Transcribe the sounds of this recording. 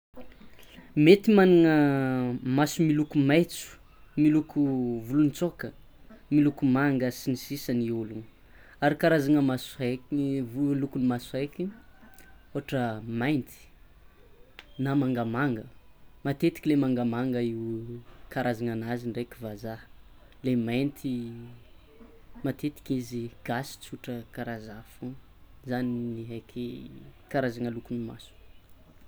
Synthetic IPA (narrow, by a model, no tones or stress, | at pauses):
met̪imaniŋə | masumilukumajt͡su̥ | milukuvulunt͡sokə | milukumaŋɡəsinisisəniulun | aɾikaɾazaŋəmasakvulukunimasajki | oaʈ͡ʂəmajnt̪i̥ | namaŋɡamaŋɡəmat̪et̪i̥kʲilemaŋɡamaŋɡəiwkaɾʔazaŋanaziɳɖ͡ʐekʲivaza | lemajnt̪ʰi | mat̪et̪i̥kiziɡ̥asi̥t͡suʈ͡ʂəkaɾazafu | zaniniɦajkʰikaɾazaŋəlukunima̰su̥